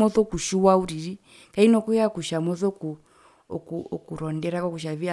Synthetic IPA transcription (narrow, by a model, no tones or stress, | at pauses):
ɔθɔkuʃuwauɾiɾi | kainɔkujakuʃamɔθɔku | ɔkuɔkuɾɔndɛɾakɔkuʃavia